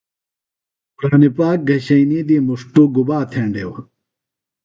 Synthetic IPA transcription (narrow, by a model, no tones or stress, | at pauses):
pɾaːnipaːk̚ɡɐɕɐinid̪imuʂʈuɡubaːt̪ʰeːɳɖew